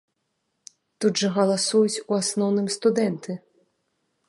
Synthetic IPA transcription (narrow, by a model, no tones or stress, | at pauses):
t̪ud̪ʐɐɣɐlˠasujut͡sʲuasnɔwnɨmst̪ud̪ɛnt̪ɨ